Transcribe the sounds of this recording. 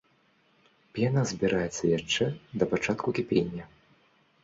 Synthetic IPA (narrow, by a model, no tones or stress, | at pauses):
pʲɛnazʲbʲiɾajɛt̪sːɐjaʂt͡ʂɛd̪ɐpat͡ʂat̪kukʲipʲenʲːɐ